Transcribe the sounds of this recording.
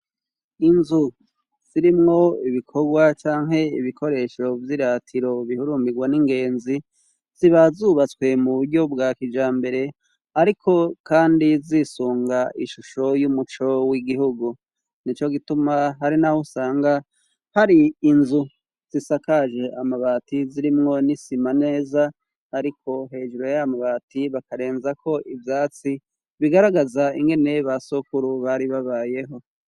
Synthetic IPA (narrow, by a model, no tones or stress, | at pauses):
inzu | z̥iɾimŋo̞iβikʰo̞ɡwat͡ʃaːŋɦe̞iβikʰo̞ɾe̞ːʃo̞vjiɾatʰiɾo̞βihuɾuːmbiɡwaniŋɡe̞ːnzi | z̥iβazuβat͡swe̞muβuɾɟo̞b̚ɡakid͡ʒaːmbe̞ɾe̞ | aɾikʰo̞kaːndizisuːŋɡaʔiʃuʃo̞jumut͡ʃo̞wiɡiɦuɡu | nit͡ʃo̞ɡitumaɦaɾinahosaːŋɡa | haɾiːnzu | z̥isakaʒe̞ʔamaβaːtiziɾimŋo̞nisimane̞ːza | haɾikʰo̞ɦe̞ːʒuɾo̞jamaβaːtiβakaɾe̞ːnzakʰo̞ʔivjaːt͡si | βiɡaɾaɡazaiŋɡe̞ne̞βasokuɾuβaɾiβaβaːje̞ɦo̞